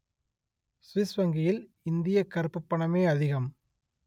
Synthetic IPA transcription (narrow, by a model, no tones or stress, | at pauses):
sʋɪsʋɐŋɡɪjɪl | ɪnd̪ɪjɐkɐɾpːɯpːɐɳɐmeːɐðɪɣɐm